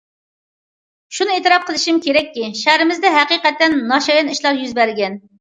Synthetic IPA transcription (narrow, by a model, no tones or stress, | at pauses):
ʃunɨet̪ɨɾɑp̚qʰəlˠɨʃimkʲʰeɾɛkʲːiʃæɾɪmɪzd̪ɛɦæqiqɛt̪ːɛnːɑʃɑjɑniʃlˠɑɾjyzbæɾɡʲɛn